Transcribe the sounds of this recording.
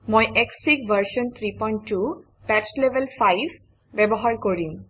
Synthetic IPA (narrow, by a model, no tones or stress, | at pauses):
mojʔekssikbəɾʃɔnt̪ʰɾipɔjɳʈːu | pɛt͡ʃleʋelfajbʱ | bebɔɦaɹkoɹim